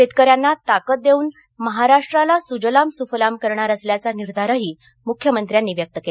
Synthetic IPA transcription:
fet̪kəɾjanːat̪akət̪̚d̪euːn | məɦaɾaʂʈɾalasud͡ʑəlamsufəlamkəɾɳaɾəsljat͡saniɾd̪ʱaɾaɦiː | mukʰjəmənt̪ɾjanːiʋjək̚t̪əke

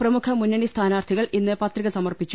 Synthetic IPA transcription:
prɐmukʰɐmunːɐɳist̪ʰaːnaːrt̪ʰiɣɐɭʔinːɨpɐt̪riɣɐsɐmɐrpit͡ɕːu̥

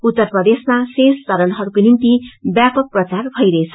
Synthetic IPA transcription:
ut̪ːʌrprʌd̪esmasest͡sʌɾʌnɦʌɾukonint̪ibjapʌk̚prʌt͡sarbʱʌjɾʌet͡sʰʌ̥

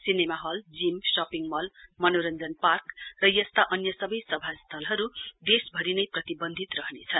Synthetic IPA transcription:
sinemaɦʌld͡zimsʌpiŋmʌlmʌnoɾʌnd͡zʌnparkrʌjʌst̪aʔʌnjʌsʌbʌjsʌbʱast̪ʰʌlɦʌɾud̪esbʱʌɾinʌjprʌt̪ibʌnd̪ʱit̪rʌɦnet͡sʰʌn

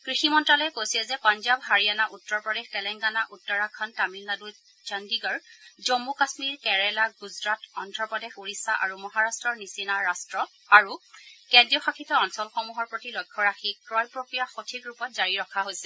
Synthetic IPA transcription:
kɹiximɔntɹalɔjɛkojsilɛzɛpɔnzabɦaɹianaʔutːɔɹpɹɔdextɛlɛŋɡanaʔutːɔɹakʰːɔntamilnadu | d͡ʒandiɡɔɹzomːukasmiɹkɛɹɛlaɡuzɹatɔndɹɔpɔdexuɹisaʔa̰ɹumɔɦaɹastɹɔɹnisinaɹastɹɔ | aɹukɛndɹiɔxakʰitɔɔnsɔlxɔmuɦɔɹpɹotilojkʰːɔɹaxiɹɔjpɹokɹijaxotʰikɹupɔt̚zaɹiɹɔkʰaɦojsɛ

